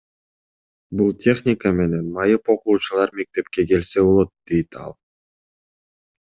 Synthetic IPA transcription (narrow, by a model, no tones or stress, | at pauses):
bulˠtʲʰe̞xnʲɪkəme̞ne̞nmɑjɯpo̞quːt͡ʃulˠɑɾme̞k̚t̪e̞pke̞ke̞lse̞βo̞lˠo̞t̪̚d̪̥e̞jt̪ʰɑ̰lˠ